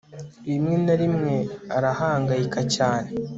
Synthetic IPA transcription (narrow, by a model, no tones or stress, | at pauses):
iimŋe̞naɾimŋe̞aɾahaːŋɡajikacaːne̞